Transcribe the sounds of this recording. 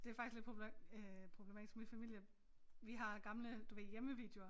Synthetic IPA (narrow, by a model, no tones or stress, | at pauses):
d̥e̝æɐfɑ̈ɡ̥isɡle̥pʰ | pʰʁob̥le̝mɛ̰ːd̥ʰisɡ̥mifæmil̰jə | ʋiɦɑ̈ɡ̥ɑ̈mləd̥uʋḛjeməʋḭːd̥jo̝ɐ